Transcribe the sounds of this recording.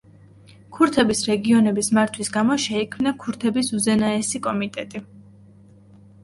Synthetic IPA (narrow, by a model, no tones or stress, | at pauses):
kʰuɾt̪ʰɛbisɾɛɡiɔnɛbismaɾt̪ʰwisɡamɔʃɛikʰmnakʰuɾt̪ʰɛbisuzɛnaɛsikʼɔmit̪ʼɛt̪ʼi